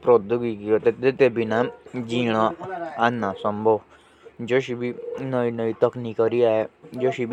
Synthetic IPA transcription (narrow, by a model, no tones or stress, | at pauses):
pɾod̪uɡikiot̪et̪et̪ebʱinãd͡ʒiːɽ̃aanːãsə̃mbʱoʋ | d͡ʒoʃibʱinəinəit̪ɐknikəɾiaːed͡ʒoːʃib